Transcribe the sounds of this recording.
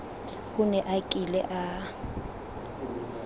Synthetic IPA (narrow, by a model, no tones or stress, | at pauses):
ʊnɛʔakʼilɛ̰ʔa